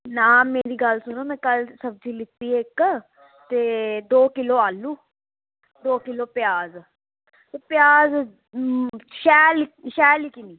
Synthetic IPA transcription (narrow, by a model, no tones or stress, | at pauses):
nãːmẽːɾiːɡəlsʊnoːmɛ̃ːkəlsəb̚d͡ʒiːlɪt̪ːiːɪk | t̪eːd̪oːkɪloːaːlːuː | d̪oːkɪloːpɪjaːz | t̪eːpjaːz | ʃɛːlʃɛːlikiniː